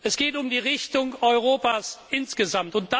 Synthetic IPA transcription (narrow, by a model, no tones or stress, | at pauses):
ʔɛsɡ̥eːtʊmdiːʁɪçtʊŋɔʏʁoːpaːsɪnsɡ̥əzamtʊnt̚d̥a